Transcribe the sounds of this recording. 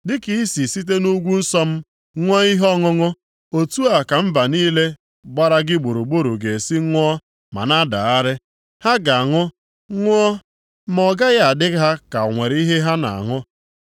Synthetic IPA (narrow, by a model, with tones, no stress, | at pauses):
dɪ˦ki˦i˦si˨si˦t̬e˦nu˦ɡʷu˦n̩˦sɔ˦m̩˦ | ŋʷɔ˦i˦ɦɔ˦ŋʊ˦ŋʊ˦ | o˨tu˦a˨ka˨m̩˦ba˨niː˦le˦ | ɡ͡ba˦ɾa˦ɡɪ˦ɡ͡bo˨ɾu˨ɡ͡bo˦ɾu˨ɡe˨si˦ŋʷ˦ɔ˦ | ma̰˨na˦da̰˨a˦ɾɪ˦ | ha˦ɡa˨a˨ŋʊ˦ | ŋʷ˦ɔ˦ | m˦ɔ˦ɡa˦ɣa˨dɪ˦ɦa˦ka˨ŋʷe˨ɾi˦ɦe˦ɦa˦na̰˨a̰˨ŋʊ˦